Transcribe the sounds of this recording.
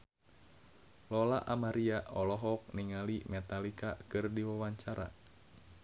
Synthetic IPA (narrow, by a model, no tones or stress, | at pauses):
lɔlaʔamaɾiaɔlɔɦɔk̚niŋalimɛt̪alikakɨrdiwawaɲt͡ʃaɾa̰